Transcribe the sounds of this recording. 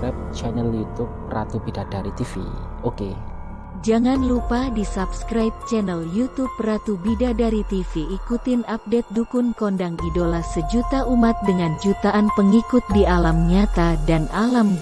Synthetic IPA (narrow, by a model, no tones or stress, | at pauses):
ap̚t͡ʃɛnɛljut̪up̚ra̰t̪ubidadaɾit̪ifḭ | oke | d͡ʒaŋanlupadisapskɾajp̚t͡ʃɛnɛljut̪up̚rat̪ubidadaɾit̪ifiʔːkut̪ɪnap̚dɛt̪̚dukʊnkondaŋidolasəd͡ʒut̪aʔumat̪̚dəŋand͡ʒut̪aʔanpəŋikʊt̪̚dialamɲat̪adanʔalam